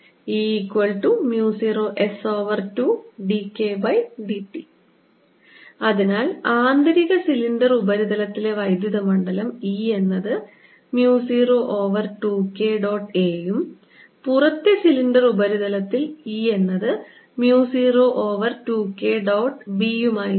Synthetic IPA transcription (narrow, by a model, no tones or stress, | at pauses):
iːkːwɐɭʈumjuːsiːroːʔe̞so̞ːʋɐrtuɖikːe̞bɐjɖipi | ɐðinaːlaːnd̪ɐɾiɣɐsiliɳɖɐrubɐɾiðɐlɐt̪ːile̞ʋɐjd̪jɐðɐmɐɳɖɐlɐmiːe̞nːɐðɨ | mjuːsiːroːʔoːʋɐrʈuːke̞ːɖo̞ːʈe̞ːjum | purɐt̪ːesiliɳɖɐrubɐɾiðɐlɐt̪ːiliːe̞nːɐðɨ | mjuːsiːroʔoːʋɐrtuːkːe̞ːɖo̞ːʈbijumaːji